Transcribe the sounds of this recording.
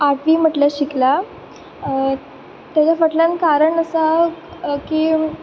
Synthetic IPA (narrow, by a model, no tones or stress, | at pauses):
aʈʰʋiːm̤əʈləɕikla | t̪jat͡ɕafəʈʰlankaɾəɳəsa | kiː